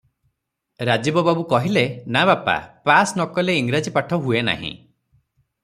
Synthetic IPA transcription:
ɾad͡ʒibɔbabukɔɦilenabapa̰pasnɔkɔleiŋɡɾad͡ʒipaʈʰɔɦuena̰ɦḭ̃

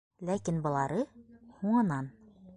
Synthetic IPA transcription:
lækinbɤ̆lˠɑɾɤhuɴɑnɑn

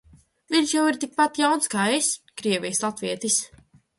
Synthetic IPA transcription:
viɲʃjawiɾt̪ik̚pat̪jawnskaːeskɾiɛvʲijslˠat̪viɛt̪is

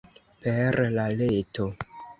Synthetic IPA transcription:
peɾlaleto

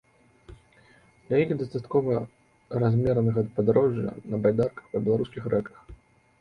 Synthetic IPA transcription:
d̪̥lʲajixd̪ɐst̪at̪kɔvɐ | razʲmʲɛɾnɐɣɐd̪̚pɐd̪aɾɔʐjɐ̰nɐbajd̪arkɐ̥xpɐbʲɛlˠaɾuskʲixrɛkɐx

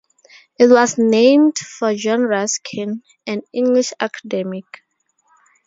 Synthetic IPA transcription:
it̚wɔznẽɪ̃mdfɔd͡ʒɔ̃nɹaskʰĩn | æ̃nĩŋɡliʃakʰḁdɛmik

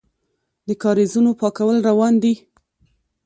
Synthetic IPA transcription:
d̪əkɑɾezunopɑkawəlɾawɑnd̪i

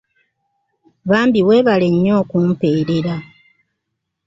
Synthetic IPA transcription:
βaːmbiwe̞ːβale̞ɲːo̞ːkumpe̞ːɾeɾa

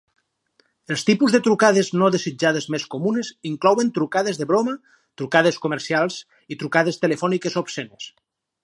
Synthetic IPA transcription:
elˠst̪ipuzðet̪ɾukað̞eznoðezid͡ʒað̞ezmeskomuneziŋklɔwent̪ɾukaðezðeβɾoma | t̪ɾukað̞eskomeɾsialˠz | it̪ɾukaðest̪elefɔnikezopsenes

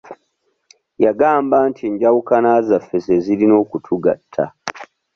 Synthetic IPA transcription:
jaɡaːmbantʰiɲɟawukanaːzafːeseziɾino̞ːkutʰuɡatʰːa̰

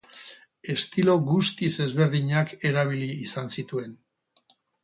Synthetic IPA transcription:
e̞st̪ilo̞ɣust̪ise̞zβe̞ɾðiɲake̞ɾaβ̞iliːsansit̪ue̞n

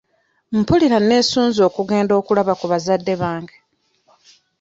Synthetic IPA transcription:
m̩puliɾane̞ːsuːnzo̞ːkuɡe̞ːndo̞ːkulaβakuβazadːe̞βaːŋɡe

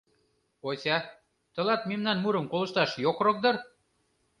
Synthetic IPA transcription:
osʲɑ | t̪ɤ̆lɑt̪memnɑnmuɾə̆mkolɤ̆ʃt̪ɑʃjokrɤk̚d̪ɤ̆r

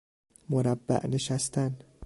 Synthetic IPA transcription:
moɾæbːæ̰ʔneʃæst̪ʰæn

